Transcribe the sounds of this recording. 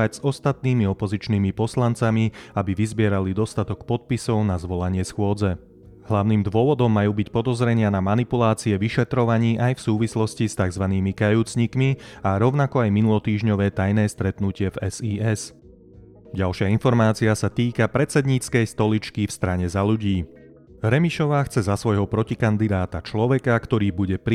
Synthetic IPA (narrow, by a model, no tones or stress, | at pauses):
aɟz̥ɔst̪at̪̚niːmiɔpɔzit͡ʃniːmipɔslant͡samiabiʋizbɪɛɾalid̪ɔst̪at̪ɔkpɔt̪̚pisɔʊnazʋɔlaɲɪɛsxʊɔd͡zɛ | ɦlaʊniːmd̪ʋʊɔʋɔd̪ɔmːajuːbicpɔd̪ɔzɾɛɲɪanamanipulaːt͡siɛʋiʃɛt̪ɾɔʋaɲiːʔajfsuːʋislɔscist̪aɡzʋaniːmikajuːt͡sɲikmiaɾɔʊnakɔajminulɔt̪iːʒɲɔʋɛːt̪ajnɛːst̪ɾɛt̪nucɪɛvɛziːɛs | ɟalʃɪainfɔɾmaːt͡siasat̪iːkapɾɛt͡sɛd̪ɲit͡skɛjst̪ɔlit͡ʃkifst̪ɾaɲɛzaʎuɟiː | ɾɛmiʃɔʋaːxt͡sɛzasʋɔjɦɔpɾɔcikand̪id̪aːt̪at͡ʃlɔʋɛkakt̪ɔɾiːbuɟɛpɾ